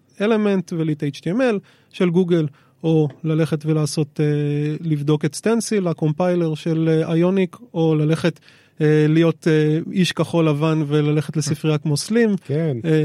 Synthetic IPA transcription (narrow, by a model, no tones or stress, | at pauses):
ele̞me̞ntvelit̪eit͡ʃt̪ieme̞l | ʃe̞lɡuɡel | o̞lale̞χetvelaːso̞telivd̪o̞ketst̪ensilako̞mpajle̞ʁʃe̞leajo̞niko̞lale̞χe̞t | elijo̞teiʃkaχo̞lavanvelale̞χetlesifʁiakmo̞slimken